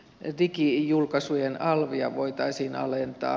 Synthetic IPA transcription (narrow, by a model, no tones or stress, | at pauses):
rikijulkɑsujenɑlʋiɑʋoit̪ɑisiːnɑ̰lent̪ɑ̰ː